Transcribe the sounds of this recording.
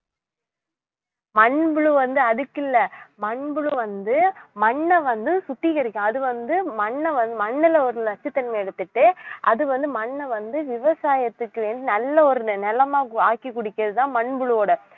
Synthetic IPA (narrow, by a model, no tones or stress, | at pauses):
mɐɳbɯɭuʋɐnd̪ɯɐðɯkːɪlːɐmɐɳbɯɭɯʋɐnd̪ɯmɐɳːɐʋɐnd̪ɯsʊʈːikɐɾɪkːɐ̃ɐðɯʋɐnd̪ɯmɐɳːɐʋɐnd̪ɯmɐɳːɪlɐɔɾɯɐt͡ʃːɯt̪ːɛnmɐɛɽɯt̪ːɯʈːɯʔɐðɯʋɐnd̪ɯmɐɳːɐʋɐnd̪ɯʋɪʋɐsaːjɐt̪ːɯkːɯʋeːnd̪inɐlːɐɔɾɯnɯnɛlɐmaːaːkːikːʊɽɪkːɐðɯt̪ãːmɐɳbɯɭɯoːɽɐ